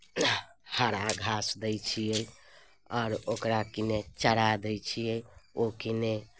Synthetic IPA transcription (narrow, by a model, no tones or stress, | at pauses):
haɾaɡʱasd̪ɛjt͡ʃʰijej | ɔːɾokɾakinet͡ʃəɽad̪ɛjt͡ʃʰijeokine